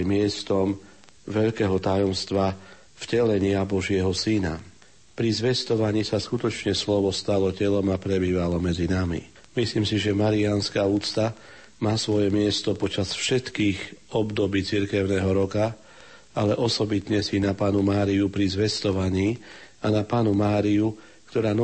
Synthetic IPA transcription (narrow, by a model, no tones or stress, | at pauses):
mɪɛst̪ɔm | ʋɛʎkɛːɦɔt̪ajɔmst̪ʋa | fcɛlɛɲɪabɔʒɪɛɦɔsina̰ | pɾizʋɛst̪ɔʋaɲiːsaskut̪ɔt͡ʃɲɛslɔʋɔst̪alɔcɛlɔmapɾɛbiːʋalɔmɛd͡zinamḭ | misliːmsiʒɛmaɾianskaːuːt͡st̪a | maːsʋɔjɛmɪɛst̪ɔpɔt͡ʃasfʃɛt̪kiːɣɔbd̪ɔbiːt͡siɾkɛʊnɛːɦɔɾɔka | alɛʔɔsɔbit̪ɲɛsinapaːnumaːɾiupɾizʋɛst̪ɔʋaɲiːanapaːnumaːɾiu | kt̪ɔɾaːn